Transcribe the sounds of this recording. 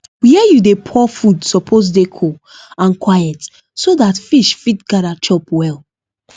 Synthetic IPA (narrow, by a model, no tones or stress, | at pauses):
wiɛjudepʰɔfudsɔpʰoz̬dekʰo | ãnkwajɛt | soðatfiʃfitɡaɾat͡ʃɔpwɛl